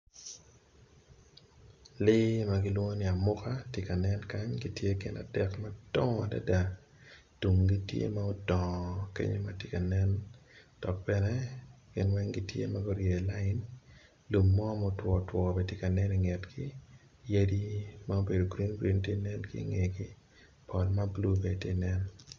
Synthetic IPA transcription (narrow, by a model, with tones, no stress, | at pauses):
lɪ˦ma˦ɡɪ˦lwo˦nɪ˨a˨mʊ˦ka˦tɪ˦ka˨nɛ˦nka˦ɲɡi˦tje˦ɡɪ̰˨na̰˨d̥ɛ˨kmadɔ˦ŋa˨da̰˦da˨ | tu˨ŋɡi˦tjḛ˦ma˦o˦dɔ˨ŋkḛ˦ɲo˦ma˨tɪ˦ka˨nɛ˦nd̥ɔ˨k̚pɛnɛ˦ɡ̥ɪ˨nwɛ˦ŋɡi˦tjḛ˦ma˦ɡɔ˦ɾje˨la˦ɪ˦n | lu˨mːɔ˦mɔtwɔ˨twɔ˨be˨tjɪ˦ka˨nɛ˦ni˨ŋɛ˨tkɪ˦ | je˦di˦ma˦o˦be˨do˨ɡɾi˦nɡɾi˦nti˦nɛ˦nkɪ̰˦ŋe˨ɡɪ˦ | pʰɔ˨lma˦blu˦be˨te˦˨nɛ˦n